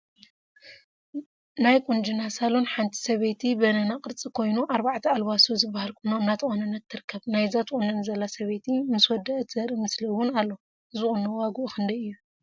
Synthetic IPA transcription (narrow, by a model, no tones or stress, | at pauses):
najkʼund͡ʒinasalonħant̪ʰi̥sɐβet̪ʰibɐnɐnakʼɨɾt͡sʼikʰo̞jnuʔaɾbaʕt̪ʰɐalβasozɨbːahalkʰʼunːoɨnːat̪ʰɨxʼonɐnːɐt̪ʰːɨɾɨkʰːɐβnajzat̪ʰχʼunːɐnzɐlasɐβet̪ʰimɨswɔd̪ɐʔt̪ʰzɐɾɨmɨsliwʊnalːo | ɨzɨχʼunːɐwaɡuʔxɨnd̪ɐjɨjːu